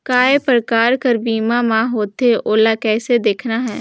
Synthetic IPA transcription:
kaːepɾəkaːɾkəɾbiːmamãɦoːt̪eʔoːlakɛːsed̪eːkʰnaɦɛː

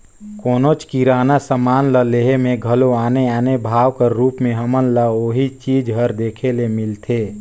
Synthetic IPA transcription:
koːnot͡ʃkiɾaːnasəmaːnləleɦemẽɡʱəloaːneaːnebʱaːwkəɾɾuːpmẽɦəmənləoːɦit͡ʃiːd͡ʒɦəɾd̪eːkʰelemɪlt̪ʰeː

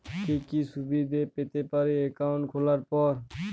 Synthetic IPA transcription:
kikisubid̪ʱepet̪epaɾeekaʊɳʈkʰolaɾpɔɾ

